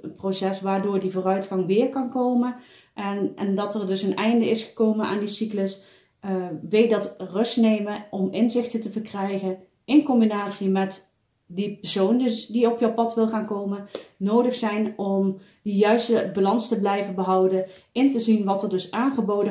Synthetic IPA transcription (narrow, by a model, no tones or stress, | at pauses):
prosɛsʋaːɹdʊːɹdivʊːrœɥtχɑŋʋɪːɹkɑnkowmən | ʔɛnɛndɑtərdɵsənɛjndəɪsχə̥kowməna̰ːndisikləs | ʋej̚dɑtrɵstnejməʔɔmɪnzɪxtətəvərkrɛjχən | ɪnkɔmbinaːtsimɛt | dipəɹsowndiɔpjəwpɑtʋɪlˠχaːnkowmənnowdəχsɛjnɔm | dijœɥstəbalɑnstəblɛjvənbəɦɑwdə | ɪntəzinʋɑtəɹdɵsaːnχəbowdə